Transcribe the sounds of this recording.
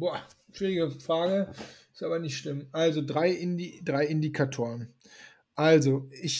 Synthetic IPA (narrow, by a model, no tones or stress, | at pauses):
b̥oː | ʃv̥iːʁɪɡəfʁ̥aːɡəɪ̥stʔaːbɐnɪçtʃlɪmʔalzodʁaɪʔɪnidʁaɪɪndikʰatʰoːʁ̞ən | ʔalzoʔɪç